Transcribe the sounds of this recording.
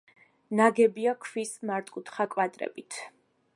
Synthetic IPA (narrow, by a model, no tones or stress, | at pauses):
naɡɛbiakʰwismaɾt̪ʼkʼut̪ʰχakʼwat̪ʼɾɛ̰bit̪ʰ